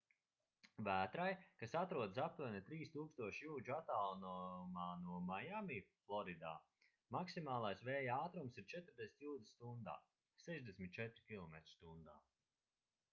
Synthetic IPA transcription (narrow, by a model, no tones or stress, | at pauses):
væːt̪ɾajkasat̪ɾuɔd̪ɨsap̚t̪uɔnʲit̪ɾiːst̪uːkst̪uɔʃjuːd͡ʒuat̪alˠnɔmaːnuɔmajamiːflˠɔɾid̪a̰ː | maksimaːlˠajsvɛːjaːt̪ɾumsiɾt͡ʃɛt̪ɾd̪esʲi̥t̪ʲjuːd̪ist̪und̪a̰ː | sɛʒd̪esmʲit̪̚t͡ʃɛt̪ɾikʲilˠɔmeɛt̪ɾ̥st̪und̪a̰ː